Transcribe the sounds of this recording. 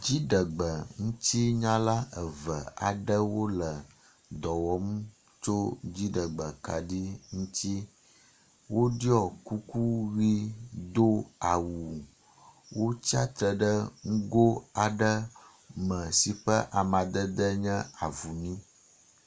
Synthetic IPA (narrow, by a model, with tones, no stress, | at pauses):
d͡ʑi˦ɖə˨ɡ͡bə˨ŋũ˦t̪i˦ɲã˦la˦ə˨və˨a̰˨ɖə˦wo˦lə˨ | d̪ɔ˨wɔ˦m˦ | t͡ʃo˦d͡ʑi˦ɖə˨ɡ͡bə˨ka˨ɖi˦ŋũ˦t̪i˦ | wo˦ɖi˦ɔ˨ku˦ku˦ɣi˦d̪o˦a˨wu˨ | wo˦t͡ɕi˦a˦t̪ɾə˨ɖə˦ŋ̩˦ɡo˦a˨ɖə˦ | mə̃˨si˨ɸə˦ʔa˨mã˨d̪ə˦d̪ə˦ɲɛ̃˦a˨vu˨nĩ˦